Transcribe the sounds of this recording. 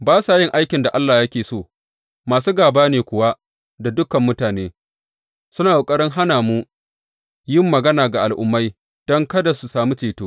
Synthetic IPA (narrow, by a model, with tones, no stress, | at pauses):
baː˦saː˨jɪ˦˨ŋʔa˦jkʲɪ˨nda˨ʔa˦lːaː˨jɐ˦kʲeː˨soː˦˨ | maː˨s̬uː˦ɡaː˨baː˦neː˨kʷʊ˨wa˦ | da˨dʊ˦kɐ˨mːʊ˦taː˨neː˦ | sʊ˦naː˨ʔo˨kʼɐ˦ɾɪ˦ŋɦa˦naː˨mu˦ | jɪ˦˨mːɐ˨ɡɐ˦naː˨ɡa˨ʔa˨lʔʊ̰˨mːa˦j | d̥ɔ˦ŋkɐ˦da˨su˨saː˨mi˦t͡ʃeː˨toː˦